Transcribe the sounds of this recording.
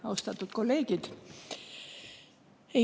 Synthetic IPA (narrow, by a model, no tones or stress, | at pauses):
ɑwst̪ɑt̪ːˑut̪ko̞lːe̞ːɡ̥id̪̥ | e